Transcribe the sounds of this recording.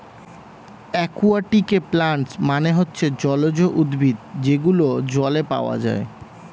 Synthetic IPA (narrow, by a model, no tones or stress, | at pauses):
ɛkuaʈikeplaɳsmaneɦotːɕʰed͡ʑɔlod͡ʑoʔud̪bʱid̪d͡ʑeɡulod͡ʑɔlepa̰oa̰d͡ʑa̰e